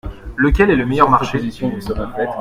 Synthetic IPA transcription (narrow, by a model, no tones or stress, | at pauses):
lək̬ʲɛlɛləmejœʁmaʁʃe | ɛ